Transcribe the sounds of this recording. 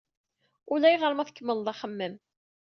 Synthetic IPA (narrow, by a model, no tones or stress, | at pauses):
ʊlæjʁəɾmæθəkːəmːəld̪ˤɑχəmːəm